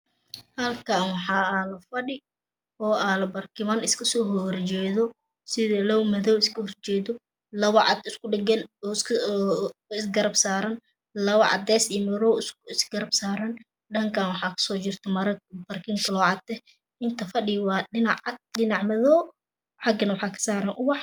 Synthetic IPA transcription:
hɐlkʰaːnwɑħɑːaːlɐfɐɗɪ | ɔːʔaːlɐbɐrkʰɪmɐnɪskʰɐsɔːɦɔɾt͡ʃɛːðɔ | sɪðlɔwmɐðɔwɪskʰɐhrt͡ʃɛːðɔ | lɐβɐʕɑd̪ɪskʊɖɐɡɐnːsʰ | ɪsɡɐɾɐbsaːɾɐn | lɐβɐʔɑ̰d̪ɛːsimɐɾɔwsɪsɡɐɾɐbsaːɾɐn | ɖɐŋkʰaːnwɑħɑːkʰɐ̥sɔːt͡ʃɪrt̪ʰɐmɐɾbɐrkʰɪŋkʰɐlɔːʕɑd̪ɛ | ɪnt̪ʰɐfɐɗɪwɑːɗɪnɑʕɑd̪̚ɗɪnɑʕmɐðɔ | ħɑɡɐnwɑħɑːkʰɐ̥saːɾɐnʔʊwɑħ

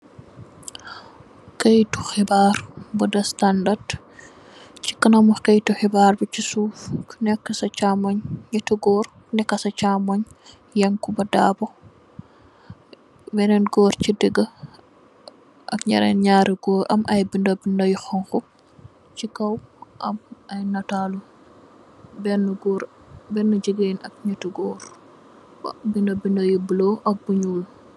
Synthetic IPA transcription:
kɐjtuxibaɾbudɐstandard | t͡ʃi̥kɐnɐmukɐjtuxibaːrbut͡ʃisuːfknɛkːɐsɐt͡ʃamoɲːɐtuɡɔːɾknɛkːɐsɐt͡ʃaːmoɲ | jɐŋkubɐdaːbɔ | wɛnɛnɡɔːɾcidəɡɐ | ʔɐ̰kɲɐ̰ɾɛ̰nɲaːɾiɡɔːɾʔɐ̰mʔɐjbindobindɐjxɔŋxu | t͡ʃikɐwʔɐ̰mɐjnɐtalu | bɛnːɡɔɾ | bɛnːud͡ʒiɡenɐk̚ɲɐtuɡɔːɾ | bɐ̰bindobindojibəloʔɐk̚buɲuːl

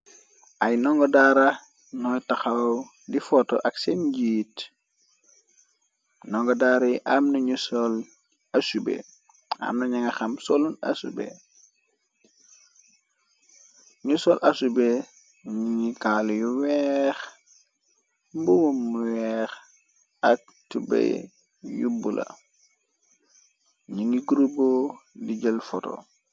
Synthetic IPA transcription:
ʔajnɔŋɡodaɾa | nɔjtaxaw | difɔtɔ̰ʔaksenɟiːt | nɔŋɡɔdaɾiʔamnuɲusɔl | asubḛ | a̰mnɐɲaŋaxamsoluna̰sṵbḛ | ɲusolʔasube | ɲiŋikaljuwɛx | mbuwumːuwɛx | ak̚tubḛj | jubulʔa̰ | ɲiŋiɡuɾubodiɟəlfoto̰

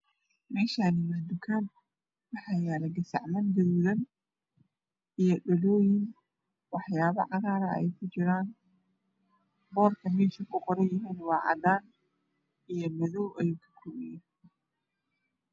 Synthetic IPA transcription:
mɛːʃaːnɪmɐd̪ʊkʰaːd̪ | wɑħaːjaːlɐɡɐsɐ̰ʕmɐnd̪ɐðuːðɐn | ijɔɗɔlɔːjɪn | wɑħjaːβɐ̰ʕɑɣaːɾɐʔɛ̰jkʰʊt͡ʃɪɾaːn | bɔːrkʰɐmɛːʃɐkʰʊqɔɾɛjɪɦiːnwɑːʕɑ̰d̪aːn | ijɔmɐðɔwʔɐjuːkʰɐ̥kʰʊmɪjɔ

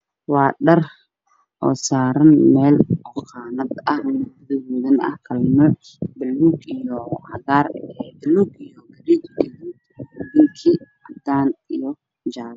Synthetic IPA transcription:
wɑːɖɐr | ʔɔːsaːɾɐnmɛːlɔqɑːnɐd̪ɐhnɐðɪɦuːðɐnɐ̰hkʰɐlmɛ | bɐlːuːɡijɔhɐɣaːrɛbɪluːɡijɔɡɐɾid̪ɡɐðud̪ðɪŋkʰi | ɐd̪aːnijɔ | d͡ʒaːβ

